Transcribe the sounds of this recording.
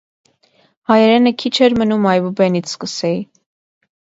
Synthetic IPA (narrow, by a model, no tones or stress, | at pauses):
hɑjɛɾɛnəkʰit͡ʃʰɛɾmənumɑjvubɛnit͡sʰskəsɛi